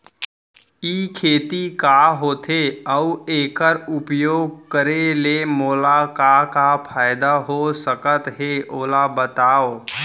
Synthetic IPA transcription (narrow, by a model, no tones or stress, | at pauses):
iːkʰeːt̪ikaɦoːt̪ʰeəʊeːkəɾʊpjoːɡ̚kəɾelemoːlakakapʰaːɪd̪aɦosəkət̪ɦeoːlabət̪aːoː